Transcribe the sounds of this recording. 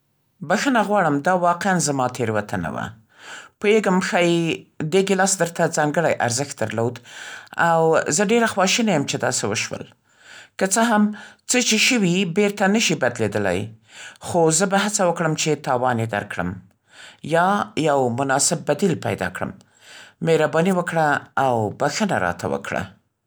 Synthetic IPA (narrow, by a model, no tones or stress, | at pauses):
baxənaɣwɑɽəmd̪ɑwɑqeanzamɑt̪ʰeɾwat̪ʰana̰wa̰ | pojeɡəmxajd̪eɡelɑsd̪əɾt̪ad͡zɑŋɡəɽajʔaɾzəxt̪̚d̪əɾlod̪awzəɖeɾaxwɑʃinajəmt͡ʃed̪ɑ̰sewəʃwə̰l | kət͡səɦamt͡sət͡ʃeʃəwibeɾt̪anəʃibad̪led̪əla̰jxozəbahat͡sawəkɽəmt͡ʃet̪ɑwɑnjed̪a̰ɾkɽə̰m | jɑjawmʊnɑsɪb̚ːad̪ilpa̰jd̪ɑ̰kɽə̰mː | eɾabɑniwəkɽaːwbaxəna̰ɾɑ̰t̪ʰa̰wə̰kɽa̰